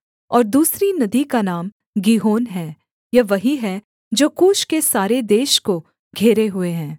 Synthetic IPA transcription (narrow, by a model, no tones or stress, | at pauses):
ɔːɾd̪uːsɾinɐd̪ikanaːm | ɡiːɦoːnɦɛː | jɐʋɐɦiɦɛ | d͡ʒoːkuːʃkesaːɾed̪eːʃko | ɡʱeːɾeɦʊeɦɛ̃ː